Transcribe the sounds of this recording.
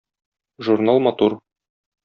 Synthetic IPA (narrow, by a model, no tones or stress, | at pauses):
ʒuɾnalˠmɒt̪uɾ